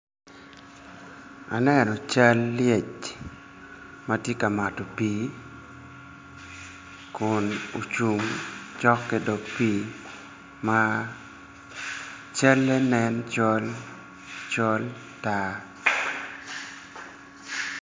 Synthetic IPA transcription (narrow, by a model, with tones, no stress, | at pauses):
a̰˨nɛ˦nɔ˨t͡ʃa˦lːje˦˨t͡ʃ | ma˦tje˦ka˨ma˨tɔ˨pi˦ | kʊ˨no̰˨t͡ʃu˨mt͡ʃɔ˦kːe˨do˨pi˦ | ma˦ | t͡ʃa˦lːɛ˦nɛ˦nt͡ʃɔ˦l | t͡ʃɔ˦l | ta˦